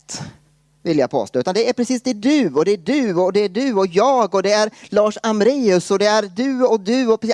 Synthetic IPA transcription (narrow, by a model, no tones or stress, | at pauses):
t̪ | vɪlja̰pʰo̰ːst̪oʉ̟t̪and̪ɛæɾpɾɛsiːsd̪ɛɖʉɔd̪ɛæɖʉɔd̪ɛæɖʉɔjɑːɡɔd̪ɛæɾlɑːʂamɾeːɵsɔd̪ɛæɾd̪ɵɔd̪ʉɔpʰː